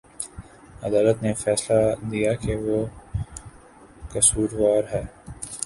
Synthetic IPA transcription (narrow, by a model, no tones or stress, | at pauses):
ɐd̪aːlət̪nefɛːslad̪ijakeʋo | kɐsuːɾʋaːɾɦɛː